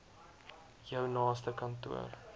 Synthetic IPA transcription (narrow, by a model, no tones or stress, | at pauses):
jəwnɑːstəkɐntṵə̰r